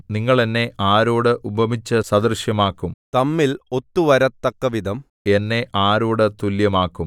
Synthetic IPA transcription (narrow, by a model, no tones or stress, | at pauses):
niŋːɐɭenːe̞aːɾoːɽɨʔubʱɐmit͡ɕːɐsɐd̪ɐrɕjɐmaːkːumt̪ɐmːilo̞t̪ːuʋɐɾɐt̪ːɐkːɐʋid̪ʱɐm | e̞nːe̞ʔaːɾoːɽɨt̪uljɐmaːkːum